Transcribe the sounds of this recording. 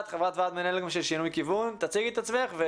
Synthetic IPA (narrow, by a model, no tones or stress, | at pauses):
t̪χavʁat̪vat̪menɛlɡmʃelʃinujkivunt̪at͡siɡit̪at͡smeaχve